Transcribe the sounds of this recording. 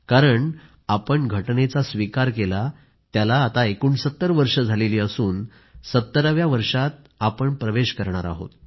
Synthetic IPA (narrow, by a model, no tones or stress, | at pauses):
kaɾəɳ | apəɳɡʱəʈnet͡sasʋikaɾkela | t̪jalaːt̪aekuːɳsət̪ːəɾʋəɾʂəd͡zʱaleliːəsuːn | sət̪ːəɾəʋjaʋəɾʂat̪̚ | apəɳpɾəʋeɕkəɾɳ̃aɾa̰ɦo̰t̪